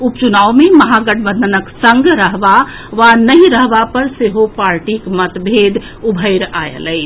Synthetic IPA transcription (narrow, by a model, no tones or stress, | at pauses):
upt͡ʃunaːʋmeməɦaɡəɖbənd̪ənəksə̃ŋɡɾəɦba | ʋanəɦĩɾəɦbapəɾseɦopaɾʈikmət̪bʱed̪ | ubʱəɪɾa̰jə̰ləɪ